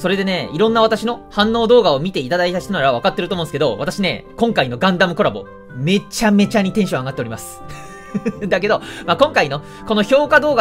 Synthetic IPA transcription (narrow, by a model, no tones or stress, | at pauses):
so̞ɾe̞d̪e̞ne̞iɾõ̞nːaβat̪aɕino̞hãnːo̞ːd̪o̞ːɡao̞mʲit̪e̞it̪ad̪ait̪aɕi̥t̪anoɾaβaβakat̪ːeɾɯt̪omõnsɨ̥ke̞d̪o̞̰βat̪aɕine̞̰kõ̞ŋkaino̞ɡãnd̪amɯ̟ko̞ɾabo̞̰ | me̞t͡ɕame̞t͡ɕaɲ̟it̪ẽ̞ɰ̃ɕõaɡat̪ːeɾʲimasɨ̥ | d̪ak̬e̞d̪omaːkõ̞ŋkaino̞ | ko̞no̞ço̞ːkad̪o̞ːɡa